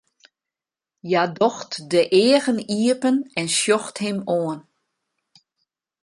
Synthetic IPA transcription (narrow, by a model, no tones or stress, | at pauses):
jadɔxtdəʔɪːəɣəniəpənɛnsjɔxthɪmoən